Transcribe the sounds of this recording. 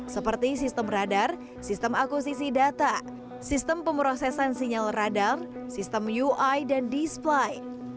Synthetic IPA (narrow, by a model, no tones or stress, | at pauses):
səpərt̪isist̪əmradar | sist̪əmakusisidat̪a | sist̪əmpəmpɾosɛsansiɲəlradarsist̪əmjuʔajdandisplaj